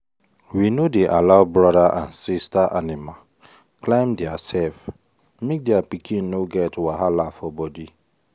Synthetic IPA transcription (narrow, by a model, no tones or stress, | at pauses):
winodeʔalaʊbɹɔdaʔãnsistaʔanima | klãɪ̃mdɛasɛlf | mek̚dɛapikʰĩnːoɡɛtwaɦalafɔbɔdi